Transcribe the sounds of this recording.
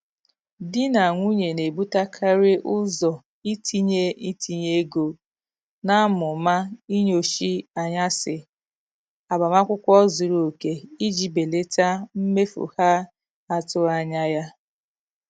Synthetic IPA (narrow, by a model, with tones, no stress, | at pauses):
dɪ˦na˨ŋʷu˦ɲe˨ne˨bu˦ta˦kʰa˦ɾɪ˦ʔʊ˦zɔ˨ | i˦tʰi˦ɲe˦i˦tʰi˦ɲe˦ɡo˨ | na˦a˦mʊ˨ma˦i˦ɲo˨ʃi˦a˨ɲa˦sɪ˨ | a˨ba˨ma˦kʷʊ˦kʷɔ˦zu˨ɾo˨ke˨i˦d͡ʒi˨be˨le˦ta˦m̩˦me˦fo̰˨ha˦ | a˨tʊ˦a˨ɲa˦ja˦